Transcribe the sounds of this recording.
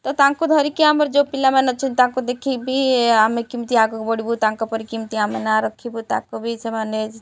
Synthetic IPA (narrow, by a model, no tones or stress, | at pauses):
t̪ɔt̪ãkod̪ʱɔɾikiaməɾd͡ʒopilamenət͡ʃʰint̪ãkod̪ekʰibʱiamekimt̪iaɡokbɔɽibut̪ãŋkɔpɔɾikimt̪iamenaɾɔkʰːibut̪ãkobʱit͡ʃʰemaned͡ʒ